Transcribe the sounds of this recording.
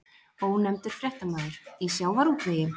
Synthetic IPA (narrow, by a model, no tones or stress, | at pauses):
ɔhunːɛmt̪ɪɾ̥fɾjɛht̪amaːðɪɾ̥isjaːwvaɾuːt̪veːjɪm